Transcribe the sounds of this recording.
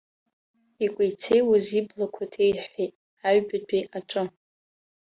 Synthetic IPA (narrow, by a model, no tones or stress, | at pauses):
ikʷʼejt͡sʰejwaziblakʷʰatʰejħʷejtʼ | aɥbadʰeʔaʈ͡ʂʼɨ